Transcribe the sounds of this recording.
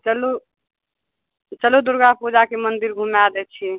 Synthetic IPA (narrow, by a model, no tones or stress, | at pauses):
t͡ʃəlu | t͡ʃəlud̪uɾɡapud͡ʒakemənd̪iɾɡʱumjad̪ɛt͡ʃʰi